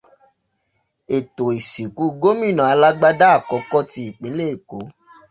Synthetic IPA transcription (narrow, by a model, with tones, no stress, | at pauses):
e˨to˨i˨si˨ku˨˦˧ɡo˦mĩ˦˨nã˨a˨˧la˦ɡ͡ba˦da˦a˦˨kɔ˧kɔ˦ti˧i˨k͡pĩ˨˦le˦i˦˨ko˨˦